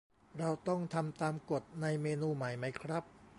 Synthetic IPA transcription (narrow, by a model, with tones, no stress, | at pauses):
ɾa˧wt̪ɔ˥˩ŋt̪ʰa˧mt̪aː˧mko˨˩t̪̚na˧jmeː˧nuː˧ma˨˩˦jma˦˥jkʰɾa˦˥p̚